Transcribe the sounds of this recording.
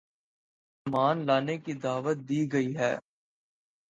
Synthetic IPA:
maːnlaːnekid̪aːʋət̪̚d̪iːɡɐiɦɛ̰ː

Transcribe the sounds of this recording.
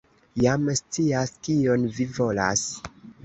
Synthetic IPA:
jamst͡siaskio̞nvivo̞la̰s

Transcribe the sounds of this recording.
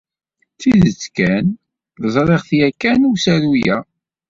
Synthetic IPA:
θiðət͡sːkæn | ðəzˤɾˤeʁθjækːænusæɾujæ

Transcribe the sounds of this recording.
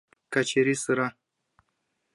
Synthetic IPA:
kat͡ʃeɾisɨɾa

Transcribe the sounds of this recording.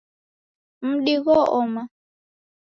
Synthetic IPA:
m̩ɗiɣɔʔɔma

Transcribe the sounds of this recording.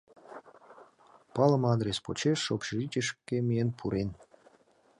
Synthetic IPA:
pɑlˠə̆mɑd̪ɾʲespo̰t͡ɕeʃːopʃrit͡ɕʲəʃkːemʲienpʰuɾʔen

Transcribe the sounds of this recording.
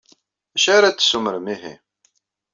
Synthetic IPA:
æʃaɾat͡sːə̥suməɾəmiɦḭ

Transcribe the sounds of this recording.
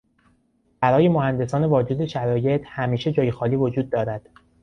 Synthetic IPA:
b̥æɾɒːje̞mohænd̪e̞sɒːne̞vɒːd͡ʒud̪eʃæɾɒːje̞t̪ʰhæmiːʃe̞d͡ʒɒːjexɒːliːvo̞d͡ʒuːd̪̚ːɒːɾæd̪̥

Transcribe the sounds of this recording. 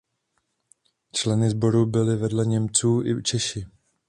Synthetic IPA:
t͡ʃlɛnɪzbo̞ɾubɪlɪvɛdlɛɲɛmt͡suːʔɪt͡ʃɛʃɪ

